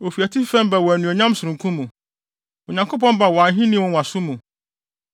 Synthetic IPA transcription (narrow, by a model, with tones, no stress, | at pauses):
o˨fi˨æ˨tʰi˦fɛ̃˦m˦ba˨wɔ˨æ˨nũ˨o˨ɲã˦msʊ˨ɾũ˨kʰũ˦mũ˨ | o˨ɲã˨ŋkʰo˦p̬ɔ̃˦nba˨wɔ˨ã˨n˦ɦĩ˦nĩ˦˨ɔ̃˦nwã˨sʊ˦mũ˨